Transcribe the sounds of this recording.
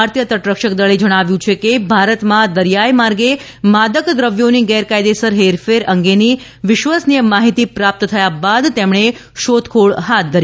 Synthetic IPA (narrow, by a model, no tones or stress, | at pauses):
aɾt̪jət̪əʈɾəkʃəkd̪əɭed͡ʒəɽ̃aʋjũt͡ʃʰekebʱaɾət̪mãd̪əɾjajmaɾɡe | mad̪əkɡ̪ɾəʋjoniɡɛɾkajd̪esəɾɦeɾfeɾəŋɡeni | ʋɪʃʋasnijəmːaɦit̪ipɾap̚t̪t̪ʰəjabad̪t̪emɳ̃eʃod̪kʰoɭɦat̪̚d̪ʱəɾi